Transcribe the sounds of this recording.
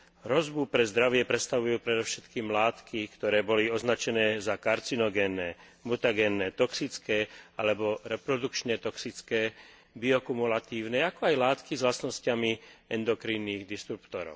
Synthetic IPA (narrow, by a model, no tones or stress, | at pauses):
ɾɔzbupɾɛzd̪ɾaʋɪɛpɾɛt̪st̪aʋujuːpɾɛd̪ɔʊʃɛt̪kiːmlaːt̪kʰikt̪ɔɾɛːbɔliɔznat͡ʃɛnɛːzakaɾt͡sinɔɡɛnːɛ | mut̪aɡɛnːɛt̪ɔksit͡skɛːalɛbɔɾɛpɾɔd̪ukt͡ʃɲɛt̪ɔksit͡skɛː | biɔkumulat̪iːʊnɛakɔajlaːt̪kizʋlasnɔscamiɛnd̪ɔkɾiːnːiːɣd̪ist̪ɾupt̪ɔɾɔ̰ʊ